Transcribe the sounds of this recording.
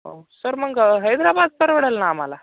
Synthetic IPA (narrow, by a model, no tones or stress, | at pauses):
ɦo̰səɾməɡɦəjd̪ɾabad̪̚pəɾʋəɽəlnaːm̤ala